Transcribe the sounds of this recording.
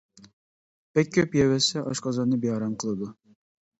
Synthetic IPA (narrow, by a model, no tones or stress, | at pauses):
pɛkʲʰːøpjɛwɛsɛʔɑʃqɑzɑnɨbejɑɾɑmqʰəlˠɨd̪u